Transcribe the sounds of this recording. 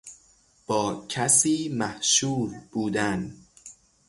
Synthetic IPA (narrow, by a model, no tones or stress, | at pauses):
b̥ɒːcʰæsiːmæhʃuːɾb̥uːd̪æn